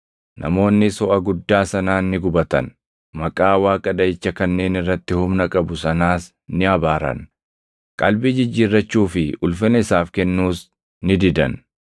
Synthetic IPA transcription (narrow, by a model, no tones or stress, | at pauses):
nʔɐ̰mo̞ːnːɪsɔʔɐɡʊd̪ːaːsɐnaːnːɪɡʊbɐt̪ɐ̰n | mɐkʼaːwaːkʼɐd̪ɐɪt͡ʃːɐkɐnːe̞ːnɪrːɐt̪ːɪhʊmnɐkʼɐbʊsɐnaːs | nɪɐbaːɾɐ̰n | kʼɐlbɪd͡ʒɪd͡ʒːiːrːɐt͡ʃːuːfɪʔʊlfɪnɐɪsaːfkɛnːuːs | nɪd̪ɪd̪ɐn